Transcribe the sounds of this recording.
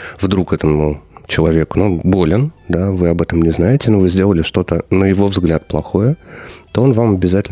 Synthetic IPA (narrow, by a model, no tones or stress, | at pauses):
vd̪ɾukɛt̪əmʊt͡ɕɪlˠɐvʲe̞kʊ̥nonbo̞lʲɪnd̪avɨɐbɛt̪əmnʲɪznajɪtʲɪnovɨzʲdʲe̞lˠəlʲɪʂt̪o̞t̪ənəjɪvo̞vzɡlʲat̪̚plˠɐxo̞jət̪o̞o̞nvamɐbʲɪzatʲɪl